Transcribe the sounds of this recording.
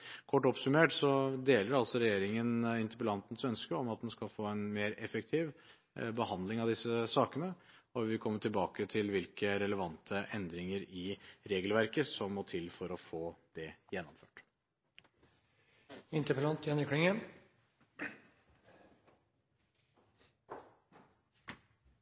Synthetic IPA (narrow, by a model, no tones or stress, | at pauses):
kʰɔʈːɔpsʉmeːʈsɔd̪eːləɾɑlsɔɾɛjeːɾɪŋənɪnt̪əpəlɑnt̪n̩sœnskəɔmɑt̪̚d̪ɛnskɑlfoːɛnmeːɾɛfək̚t̪ʰiːʋ | bəhɑnd̪lɪŋɑʋd̪ɪsːəsɑːkənə | ɔʋɪkʰɔmːəʈʰɪlbɑːkət̪ʰɪlʋɪlkəɾɛləʋɑnt̪ʰəʔɛnd̪ɾɪŋəɾɪɾeːɡəlʋæɾkəsɔmːɔt̪ʰɪlfɔɾɔfoːd̪̥ɛjɛnːɔmføːʈ | ɪnt̪əpəlɑnt̪ʰjɑnɪkʰɽɪŋə